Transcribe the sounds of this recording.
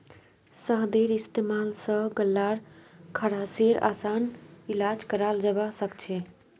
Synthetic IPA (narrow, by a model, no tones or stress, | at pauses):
səɦd̪eɾist̪emalsə̃ɡəlːaɾkʰəɽaseɾa̰sanilad͡ʒkəɾald͡ʒəβasəkt͡ʃʰe